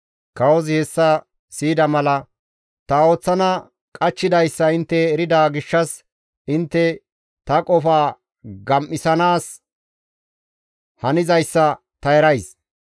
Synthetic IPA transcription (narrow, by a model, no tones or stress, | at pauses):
kɐwɔzɪhɛsːɐ | siːd̪ɐmɐlɐ | t̪ɐo̞ːt͡sːɐnɐ | kʼɐt͡ʃːɪd̪ɐjsːɐɪnt̪ːɛːɾɪd̪aːɡɪʃːɐs | ɪnt̪ːɛ | t̪ɐkʼɔfaː | ɡɐmʔɪsɐnaːs | hɐnɪzɐjsːɐ | t̪ɐɛɾɐjs